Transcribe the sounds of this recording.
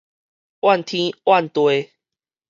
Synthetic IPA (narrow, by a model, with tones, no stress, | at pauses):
wa˥˨nt̪ʰĩ˦wa˥˨nt̪we˧